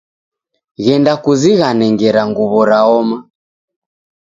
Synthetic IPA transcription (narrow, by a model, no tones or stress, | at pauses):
ɣɛndakuziɣanɛŋɡɛɾaŋɡuβɔɾaɔma